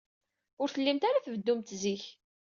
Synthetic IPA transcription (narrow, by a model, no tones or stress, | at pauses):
ʊɾθəlːimt̪aɾaθəvəd̪ːumt̪ziç